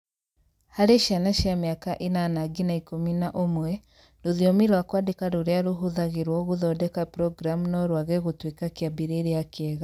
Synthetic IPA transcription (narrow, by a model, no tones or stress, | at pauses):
haɾeʃianaʃjameakaʔenanaɡinaikominaʔomwɛ | ɾoðiɔmiɾwakwadekaɾoɾeaɾuɦuðaɣeɾwɔɣuðɔdɛkapɾɔɡɾamunɔɾwaɣɛɣutwekakiabiɾeɾeakːɣa